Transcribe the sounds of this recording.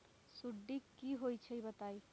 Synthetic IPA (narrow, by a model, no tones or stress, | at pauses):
suɖːikːiɦojt͡ʃʰɛibət̪ai